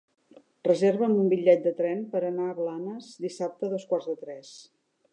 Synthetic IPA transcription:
rəzerβəmumbiʎːɛt̪̚d̪ət̪ɾɛmpəɾənaəβlanəzd̪isap̚t̪əðɔskwarzðət̪ɾɛs

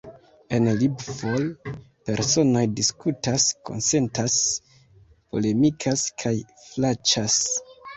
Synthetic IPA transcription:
e̞nlibvo̞l | pe̞ɾso̞no̞jdiskutasko̞̰nse̞ntas | po̞̰le̞mikʰaskʰajflat͡ʃas

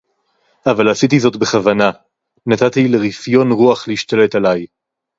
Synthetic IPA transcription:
avalasit̬izo̞tbeχavana | nat̪at̪ileʁifjo̞nʁuaχleiʃt̪ale̞talaj

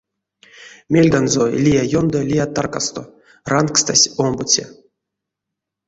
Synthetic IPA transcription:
mʲelʲɡ̪anzolʲijajond̪olʲijat̪ːarkast̪o | rankst̪asʲombut͡sʲḛ

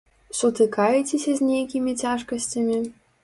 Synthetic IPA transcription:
sut̪ɨkɑjetʲesʲɐzʲnʲejkʲimʲitʲaʂkəsʲtʲamʲi

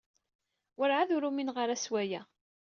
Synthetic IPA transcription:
wəɾʕaðʊɾuminʁəɾæswæjæ

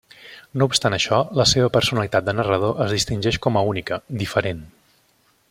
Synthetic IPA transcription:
noupst̪anəʃɔləseβəpəɾsunəlit̪at̪̚d̪ənərəð̞oʔəzðist̪inʲʒɛʃkɔməunikəd̪ifəɾen

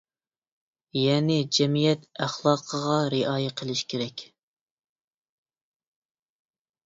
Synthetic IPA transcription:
jɛːnɪd͡ʒɛmijɛt̪æχlˠɑːqʰəʁɑɾeʔɑːjɛqʰəlˠɪʃkʲʰeɾɛkʲ

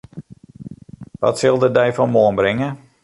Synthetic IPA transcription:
ʋɔ̰tsɪlˠdədɛjfɔnmoːənbrɪŋə

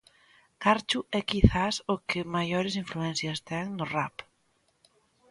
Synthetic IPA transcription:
kaɾt͡ʃʊɛkiθasʊkʰɪmajoɾɪsiɱfluɛn̟θjɐst̪ɛŋnʊrap

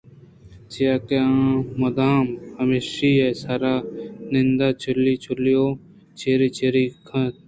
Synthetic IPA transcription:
t͡ʃijaːkeãːmɐd̪aːmhəmeʃiːeːsaːɾaːnɪnd̪aːt͡ʃʰʊlːiːt͡ʃʰʊlioː | t͡ʃʰeːɾiːt͡ʃʰeːɾiːkʰɐ̃t̪̚

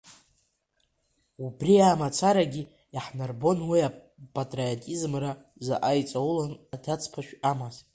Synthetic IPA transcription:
ubriamat͡sʰaɾaɡʲi | aħnarbo̞nwia | pʼatʼriotʼizmra | zaʔajt͡sʼawulanadat͡sʼʰpʰaʃᶣamaz

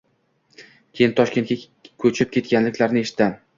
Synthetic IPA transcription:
kʲʰe̞jɪnt̪ʰɒʃkʲe̞nkʲa | kʰɵt͡ʃʰɪp̚kʲʰe̞t̪kʲanlɪkʲlaɾnɪeʃɪ̥t̪ːan

